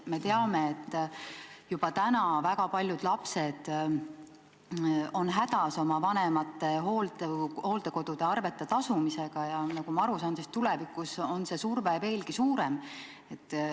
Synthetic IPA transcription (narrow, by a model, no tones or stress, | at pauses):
me̞t̪e̞ɑme̞ːt̪ː | jub̥ɑt̪ænɑvækɑpɑlʲjud̪̥lɑpse̞d̪̥ | o̞nɦæd̪̥ɑso̞mɑvɑnemɑt̪ːe̞ɦo̞ːld̪eho̞ːld̪̥e̞ko̞d̪̥ud̪̥e̞ɑrve̞t̪ːˑet̪ɑsumise̞ɡ̥ɑjɑnɑɡ̥umɑɑɾusɑːnsist̪ːulɛvikːˑuso̞nse̞surveve̞ːlɡisuːɾem | e̞t̪ː